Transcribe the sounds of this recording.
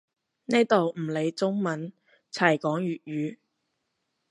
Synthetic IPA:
ne˥t̪o˨wm̩˨˩le˨˧jt͡sʊ˥ŋmɐ˨˥n | t͡sʰɐ˨˩jkɔː˨˥ŋɥyː˨t̚ɥyː˨˧

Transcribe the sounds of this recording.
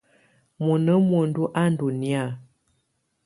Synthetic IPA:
mo˨nə˦mo˨n˦du˦ʔa˦n˦du˨ni˦a˦˨

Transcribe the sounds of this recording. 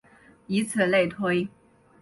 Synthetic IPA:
i˧˥t͡sʰɹə˥˩le˥˩t̪ʰwe˥ɪ

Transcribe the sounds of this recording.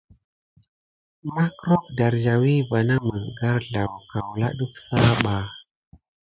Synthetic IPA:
ma˦kɾo˦kda˨ɾd͡ʒa˨wi˦va˨na˦mə˨zɡa˦ɾɮa˨wka˨wla̰˦ɗu˦fsa˦ɓa˨

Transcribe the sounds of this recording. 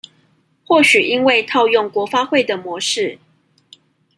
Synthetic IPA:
xwɔ˥˨ɕy˨˩ʔi˦nwe˥˨ɪt̪ʰɑ˥˧ʊjɔ˥˨ŋkwɔ˧˥fa˥xwe˥˨ɪd̪ə˨mwɔ˧˦ʂɻ̩˥˨

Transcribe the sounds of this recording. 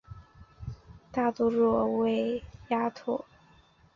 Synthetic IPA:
t̪a˥˩t̪u˥ɻɔ˥˧we˥˩ɪja˥t̪ʰɔ˥˩

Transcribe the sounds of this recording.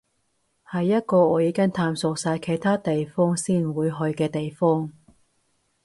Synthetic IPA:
hɐ˨jːɐ˥t̚kɔː˧ɔː˨˧jiː˨˧˥kɐ˥ŋt̪ʰaː˧msʊ˨˧k̚saː˧jkʰe˨jt̪ʰaː˥t̪e˨jfɔː˥ŋsiː˥nwuː˨˧jɦɵ˧ɥkɛː˧t̪e˨jfɔː˥ŋ

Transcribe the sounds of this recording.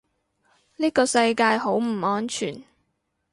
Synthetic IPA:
liː˥kɔː˧sɐ˧jkaː˧jɦo˨˥wm̩˨˩ɔː˧˥nt͡ʃʰyː˨˩n

